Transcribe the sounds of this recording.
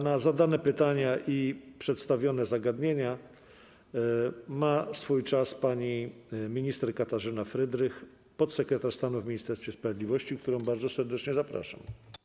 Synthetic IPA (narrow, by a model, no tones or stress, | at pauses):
nazad̪anɛpɘt̪aɲaʔipʂɛt̪st̪avʲjɔnɛzaɡad̪ɲeɲa | masfujt͡ʂaspaɲimʲiɲist̪ɛɾkat̪aʐɘnafɾɘd̪ɾɘx | pɔt̪sɛkɾɛt̪aʂst̪anuvmʲiɲist̪ɛɾsfʲjɛspɾavʲed̪lʲivɔɕt͡ɕik̚t̪uɾɔ̃w̃baɾzɔsɛɾd̪ɛt͡ʂɲɛzapɾa̰ʂa̰m